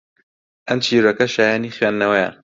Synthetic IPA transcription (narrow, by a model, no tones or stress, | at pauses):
ʔɐmt͡ʃʰiːɾɐkɐʃaːjaːniːxwɥeːnd̪ːɐwɐja̰